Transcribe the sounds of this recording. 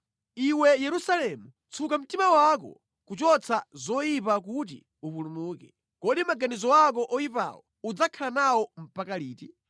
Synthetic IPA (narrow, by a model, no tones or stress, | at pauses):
iwɛjɛɾusalɛmu | t͡sʰukam̩timawak̬ɔ̰ | kut͡ʃɔt͡sʰazɔjipak̬ut̬ḭ | upulumuːkɛ | kɔɗimaɡanizɔwak̬ɔʔɔjipa̰wɔ | ud͡zakʰalanawɔm̩pakaliːti